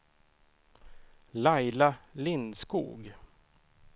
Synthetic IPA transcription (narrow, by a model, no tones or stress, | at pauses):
lajlalɪnskṵːɡ